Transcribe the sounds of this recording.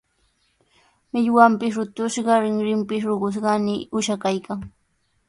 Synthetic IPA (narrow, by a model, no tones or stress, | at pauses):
mɪʎwampɪs̬ɾʊt̪ʊʃɢɑɾɪŋɾɪmpɪs̬ɾoɢʊs̬ɢɑnɪʊʃakajkaŋ